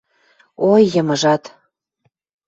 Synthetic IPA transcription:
ojːɤmə̆ʒɑt̪

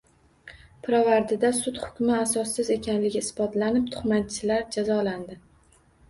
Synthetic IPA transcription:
pʰɾavaɾd̪ɪd̪asʊt̪hʊ̥kʲmɪasɒsːɪze̞kʲʰanlɪɡʲɪɪsbɒt̪lanɪp̚t̪ʰʊ̥χmat̪t͡ʃʰɪlaɾd͡ʒazɒland̪ɪ

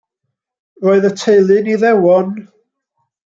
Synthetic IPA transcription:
roːɨðətʰejlˠɨniðɛwɔn

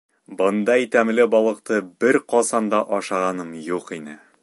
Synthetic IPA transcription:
bɤ̆nd̪ɑit̪æmlɘbɒlˠɤ̆q̚t̪ɤbɘɾqɒsɑnd̪ɑʔɒʃɑʁɑnɤmjuqinɘ

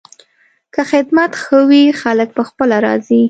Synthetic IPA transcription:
kəxɪd̪mat̪xəwixalək̚pəxpəlaɾɑ̰zi

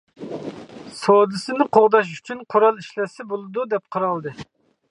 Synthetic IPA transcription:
sod̪ɨsɨnɨqʰoʁd̪ɑʃ̬y̥t͡ʃʰynqʰoɾɑlˠiʃlɛsɪbolˠɨd̪ud̪ɛp̚qʰɑɾɑlˠd̪ɨ

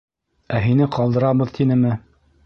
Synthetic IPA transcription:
æɦinɘqɑlˠd̪ɤ̆ɾɑβɤðt̪ʰinɘmɘ

